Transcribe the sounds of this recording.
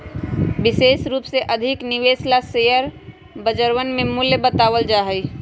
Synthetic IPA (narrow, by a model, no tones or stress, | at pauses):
bɪseːsɾuːpseʔəd̪ʱɪkniʋeslasejəɾ | bəd͡ʒəɾʋənmemuljəbət̪aːʋəld͡ʒaːɦəj